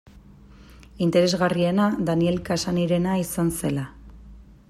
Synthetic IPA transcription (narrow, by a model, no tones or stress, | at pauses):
int̪e̞ɾe̞zɣarie̞nad̪anie̞lkasaniɾe̞naisanse̞la